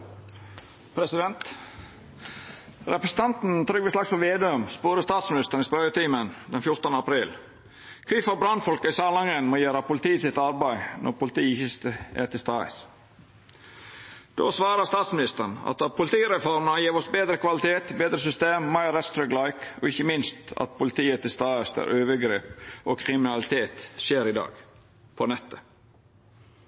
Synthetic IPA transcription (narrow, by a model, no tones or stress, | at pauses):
pʰɾɛsɪd̪ɛnt̪ | ɾɛpɾəsn̩t̪ʰɑnt̪n̩t̪ʰɾʏɡʋɛslɑksɔʋeːd̪ɛʉmspoːɾəst̪ɑːt̪smɪnɪst̪əɳɪspœɾjət̪iːmənd̪ɛnfjʊɾt̪ənəɑpʰɾiːl | kʰʋiːfɔɾbɾɑnfɔlkəisɑːlɑŋənmoːjøːɾɑpʊlɪt̪iːsɪt̪ɑɾbæɪnʔɔ̰ɾpʊlt̪iːçəst̪əæ̰t̪ɪst̪ɑːə̰s | d̪̥o̰ːsʋɑːɾəst̪ɑːt̪smɪnɪst̪əɳɑ̰t̪ɑpʰʊlɪt̪ʰiːɾɛfɔɾmənɑjiːɾɔsbeːd̪ɾəkʰʋɑlɪt̪eːt̪beːd̪ɾəsʏst̪eːmːɑɪɾɛst̪ɾœɡlɑɪkɔ̰ɪçːəmɪnst̪ɑ̰t̪̚pʰʊlɪt̪ʰiːət̪ʰɪlst̪ɑːəst̪æ̰ːɾʔøːʋəɡɾeːpokʰɾɪmɪnɑlɪt̪ʰeːt̪ʃeːɾɪd̪ɑ̰ːɡ | pʰɔnɛt̪ːə